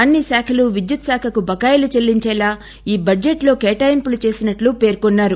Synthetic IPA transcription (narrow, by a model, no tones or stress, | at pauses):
ɐnːisaːkʰɐluʋid͡ʒjut̪saːkʰɐkubɐɡaːjlut͡ʃelːiɲt͡ʃɛːlaː | iːbɐd͡ʒeʈlo̞ːkeːʈɐjmpulut͡ʃe̞ːsinɐʈlupe̞ːɾkɔnːaːɾu